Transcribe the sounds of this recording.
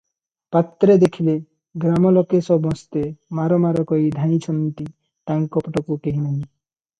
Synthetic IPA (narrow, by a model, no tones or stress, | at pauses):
pat̪ːɾed̪ekʰile | ɡɾamɔlɔkesɔbɔ̃st̪emaɾɔmaɾɔkɔid̪ʱaĩt͡ʃʰɔnnt̪i | ʈaŋkɔpʈɔkukeɦinaɦĩ